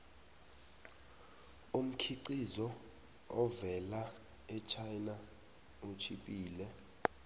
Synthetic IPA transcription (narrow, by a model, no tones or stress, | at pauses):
um̩kʰiǀizɔ | ɔvɛla | ɛt͡ʃʰajna | ot͡ʃʰipʼiːlɛ